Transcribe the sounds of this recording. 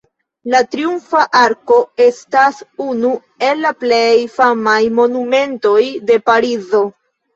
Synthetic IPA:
latɾiumfaʔaɾko̞e̞stasunu | e̞lːaple̞jfamajmo̞nume̞nto̞jde̞paɾizo̞

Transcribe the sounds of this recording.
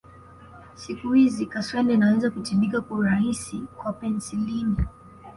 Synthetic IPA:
sikuhizikaswɛndɛnawɛzakutimbikakuɾahisikwapɛnsilini

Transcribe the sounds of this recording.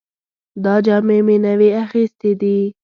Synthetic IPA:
d̪ɑd͡ʒɑːmemenaweaxist̪ed̪i

